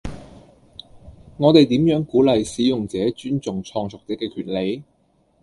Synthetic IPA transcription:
ŋɔː˨˧t̪e˨jt̪iː˨˥mjœː˨˥ŋkuː˨˥lɐ˨jsiː˨˥jʊ˨ŋt͡sɛː˨˥t͡ʃyː˥nt͡sʊ˨ŋt͡ʃʰɔː˧ŋsʰʊ˨k̚t̪ɪ˨˥kːɛː˧kʰyː˨˩t̚le˨˧j

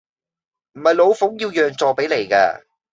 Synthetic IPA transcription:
m̩˨˩hɐ˨jlo˨˧wfʊ˨˥ŋjiː˧wjœː˨ŋt͡sɔː˨˧pe˨˥jle˨˩jka̰ː˧

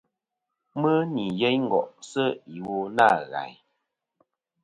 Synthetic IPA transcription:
mə˦ni˨je˦ɲŋ̩˨ɡɔ̰˨ʔsə˦i˨wo˨na˦˨ɣa̰˨˦j

